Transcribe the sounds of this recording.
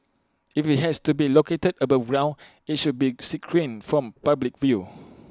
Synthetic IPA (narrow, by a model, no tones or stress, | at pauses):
ifit̚ɦɛstubiloketədəbafɹãʊ | it̚ʃud̚bisikʰɹĩnfɹɔ̃mpablik̚vju